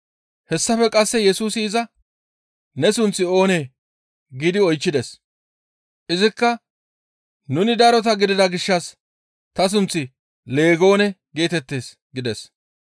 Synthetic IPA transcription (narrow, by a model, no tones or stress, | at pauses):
hɛsːɐfɛkʼɐsːɛjɛsuːsɪːzɐ | nɛsʊnt͡sːɪo̞ːneː | ɡiːd̪ɪɔjt͡ʃːɪd̪ɛs | ʔɪzɪkːɐ | nʊnɪd̪ɐɾɔt̪̬ɐɡɪd̪ɪd̪ɐɡɪʃːɐs | t̪ɐs̬ʊnt͡sːɪ | le̞ːɡo̞ːnɛɡe̞ːt̪ɛt̪ːe̞ːs | ɡɪd̪ɛs